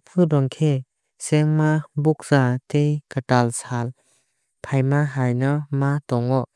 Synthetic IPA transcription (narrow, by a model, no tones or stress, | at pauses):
pʰɯdɔŋkʰe | sɛŋmabuk̚z̥atejkatalsal | pʰajmaɦajnamatɔŋɔʔ